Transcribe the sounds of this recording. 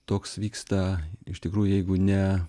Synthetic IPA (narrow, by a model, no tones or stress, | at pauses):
t̪oːksʋʲiːkst̪ɐɪʃt̪ʲɪkɾuːjʊjɛɪɡʊnʲɛ